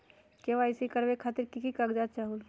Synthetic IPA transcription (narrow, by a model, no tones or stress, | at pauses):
keʋaːɪsikəɾbekʰaːt̪ɪɾkikikaɡd͡ʒaːt̪̚t͡ʃaɦul